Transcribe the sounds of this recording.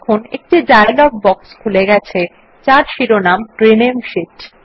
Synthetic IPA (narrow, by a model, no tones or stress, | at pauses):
kʰonḛk̚ʈid͡ʑaelɔɡ̚bɔkskʰuleɡɛt͡ɕʰe | t͡ɕaɾʃiɾonamʈɾenemʃiʈ